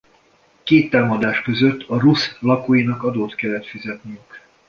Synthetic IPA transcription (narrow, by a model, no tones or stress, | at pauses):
keːt̪ːaːmɒd̪aːʃkøzøt̪ːɒruslɒkoːjinɒkɒd̪oːt̪kɛlːɛt̪fizɛt̪nyjyk